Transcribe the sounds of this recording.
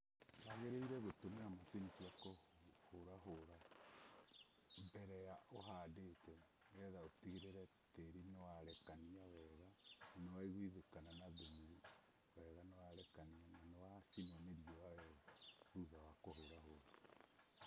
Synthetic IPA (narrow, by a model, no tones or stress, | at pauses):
βaɣeɾeiɾɛβotomeamosinisiwako | hoɾaɦoɾa | mbɛɾɛjaʔoɦaːdetɛ | jɛðaotiɣeɾeɾɛ | teɾinewaɾɛkaniawɛɣaanewaiɣwiðekananaðumu | wɛɣanewaɾɛkaniananewasinomeɾiɔwawɛɣahuβawakohoɾahoɾa